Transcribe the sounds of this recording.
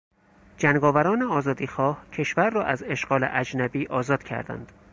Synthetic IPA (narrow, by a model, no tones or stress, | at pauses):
d͡ʒæŋɡɒːvæɾɒːneɒːzɒːd̪iːxɒːhcʰe̞ʃvæɾːɒːʔæze̞ʃɢɒːlḛʔæd͡ʒnæbiːʔɒːzɒːd̪̥cʰæ̰ɾd̪æ̰nd̪̥